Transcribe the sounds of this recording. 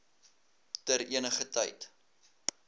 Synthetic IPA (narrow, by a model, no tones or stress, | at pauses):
təɾiənəχətɐ̰jt